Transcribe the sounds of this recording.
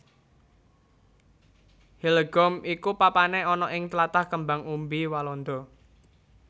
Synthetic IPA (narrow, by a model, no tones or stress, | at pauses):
hilɡ̥ɔmikupapaneɔnɔʔɪŋt̪lat̪ahkəmbaŋumbiwalɔnd̪ɔ